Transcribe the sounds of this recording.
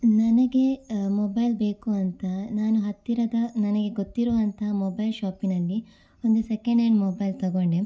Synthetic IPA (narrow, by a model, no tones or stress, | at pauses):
nɐnɐɡe̞moːbɐjlbe̞ːkuɐnt̪ɐnaːnuɦɐt̪ːiɾɐd̪ɐnɐnɐɡe̞ɡot̪ːiɾɔːʋɐnt̪ʰɐmoːbɐjlʃaːpinɐlːi | ond̪usekeɳɖeɳɖmoːbɐjlt̪ɐɡoɳɖe